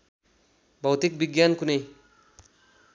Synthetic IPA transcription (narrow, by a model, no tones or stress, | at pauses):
bʱʌwt̪ik̚biɡjankunej